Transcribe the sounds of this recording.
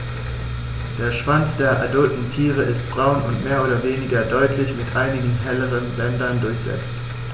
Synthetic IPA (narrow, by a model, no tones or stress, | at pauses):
d̥eːɐʃv̥ant͡sd̥eːɐʔa̰dʊltn̩tʰiːʁəʔɪst̚b̥ʁaʊnʊntmeːɐʔoːdɐveːnɪɡɐdɔʏtʰlɪçmɪtʔaɪnɪɡŋ̩ɦɛləʁənbɛndɐndʊɐçz̥ɛ̰t͡st